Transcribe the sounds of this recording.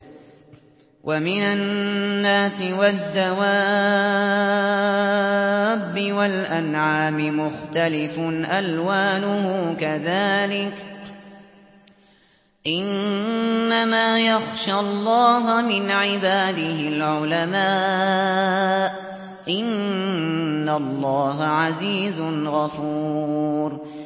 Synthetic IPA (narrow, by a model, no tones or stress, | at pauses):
wʔamɪnanːaːsɪwad̪ːawa | bːɪwalʔanʕaːmɪmʊxt̪alɪfʊʔalwaːnʊhʊkaðaːlɪk | ʔɪnː | amaːjaxʃalˤːɑːɦʊmɪnʕɪbaːd̪ɪhɪlʕʊlamaː | ʔ | ʔɪnː | alˤːɑːɦaʕaziːzʊnɣafuːɾ